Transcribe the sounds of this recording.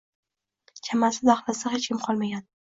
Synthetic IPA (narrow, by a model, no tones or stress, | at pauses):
kʲʰamasɪd̪aχlˠasahet͡ʃkʲɪmqʰɒlˠmaɡʲan